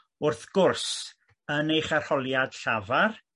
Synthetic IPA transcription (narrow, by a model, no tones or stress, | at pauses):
ʊrθɡ̥ʊrs | ənejχar̥hɔlˠjad̥ɬavar